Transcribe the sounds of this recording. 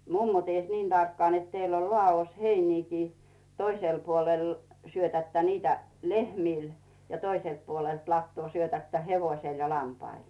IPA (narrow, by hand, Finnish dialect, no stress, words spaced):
mumːo ties niːn tɑrkːŏɑˑn net teilː ol lŏɑˑos heiniːkiː toiseˑl puoleˑl syøtætːæ niːtæ lehmiˑl jɑ toiselt puolelt lɑtːŭoˑ syøtætːæ heʋoĭsel jɑ lɑmpɑil